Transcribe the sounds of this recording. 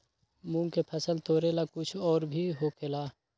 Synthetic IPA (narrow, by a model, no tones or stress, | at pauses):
mũːŋkepʰɐsəlt̪oːɾelakʊt͡ʃʰɔːɾbʱiɦokʰɪlaː